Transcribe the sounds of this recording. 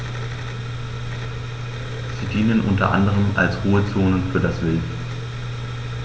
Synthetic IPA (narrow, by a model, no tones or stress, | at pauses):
z̥iːdiːnənʔʊ̰ntɐʔa̰ndəʁ̞əma̰lsʁoːət͡soːnənfyːɐdasv̥ɪlt